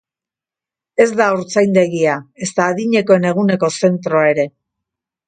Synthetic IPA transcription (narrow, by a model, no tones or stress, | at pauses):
e̞zd̪aoɾt͡sajnd̪e̞ɣiae̞st̪aːðiɲe̞ko̞e̞ne̞ɣ̞une̞ko̞se̞nt̪ɾo̞ae̞ɾe̞